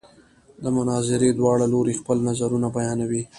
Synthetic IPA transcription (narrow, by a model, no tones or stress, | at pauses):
d̪əmʊnɑzɪɾed̪wɑɽaloɾexpəlnazaɾunabajɑnawi